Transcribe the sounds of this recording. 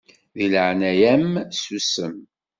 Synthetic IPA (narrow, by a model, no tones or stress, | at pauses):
ðilʕnæjæmsusəm